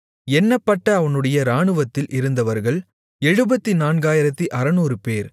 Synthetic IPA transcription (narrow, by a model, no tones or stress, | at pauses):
ɛnːɐpːɐʈːɐːʋɐnɯɽɐjɐɾaːɳɯʋɐt̪ːɪlʔɪɾɯnd̪ɐʋɐɾɣɐɭ | ɛɻɯbɐt̪ːinaːnɡaːjɪɾɐt̪ːiʔɐɾɐnuːɾɯpeːɾ